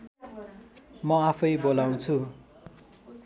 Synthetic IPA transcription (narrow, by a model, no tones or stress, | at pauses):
mʌapʰʌjbolaw̃t͡sʰu